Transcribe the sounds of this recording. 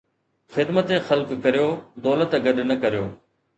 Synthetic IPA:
xɪd̪mət̪ẽxɐlkkɐɾijoːd̪ɔːlət̪ɡɐɗnɐkɐɾijoː

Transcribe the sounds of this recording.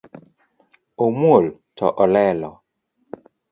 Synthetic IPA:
omwoltʰɔ̰ʔɔlɛlɔ

